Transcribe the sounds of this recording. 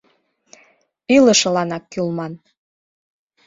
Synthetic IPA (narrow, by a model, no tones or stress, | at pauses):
ylə̆ʃɤ̆lɑnɑkːylmɑn